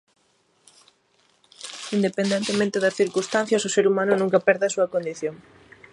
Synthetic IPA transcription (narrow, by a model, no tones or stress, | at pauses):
ind̪epend̪ent̪emẽnt̪ɪðɐsθiɾkust̪an̟θjɐsʊseɾumanʊnũŋkɐpɛɾðɪɐsuɐkond̪iθjoŋ